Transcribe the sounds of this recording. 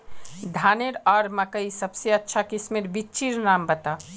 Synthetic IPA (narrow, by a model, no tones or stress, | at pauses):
d̪ʱaːneɾɔːɾmɐkəisɐbseɐtːʃʰakɪsmɪɾbit͡ʃiɾnaːmbɐt̪a